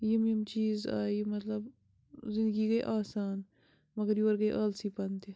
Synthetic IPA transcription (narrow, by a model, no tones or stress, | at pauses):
jimimt͡ʃiːza̰ːimɐt̪ləb | zɪ̃nd̪ɡiɡɐiʔaːsaːn | mɐɡəɾjuɐɾɡɐiʔɐːlsipɐnt̪e